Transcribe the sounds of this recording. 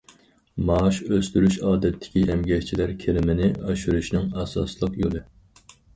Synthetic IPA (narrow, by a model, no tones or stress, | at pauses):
mɑːʃøst̪yɾyʃɑːd̪ɛt̪ʰːɪ̥kʲiʔɛmɡʲɛhʲt͡ʃʰilæɾkʲʰelɪmɪnɪɑʃyɾuʃnɪŋɑsɑ̰slˠəqjolˠɨ